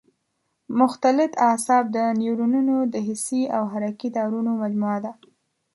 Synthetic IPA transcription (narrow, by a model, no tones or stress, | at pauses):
mʊxt̪alɪt̪asɑb̚d̪ənewɾununod̪əɦɪsiawɦaɾakid̪ɑɾunomad͡ʒmuad̪a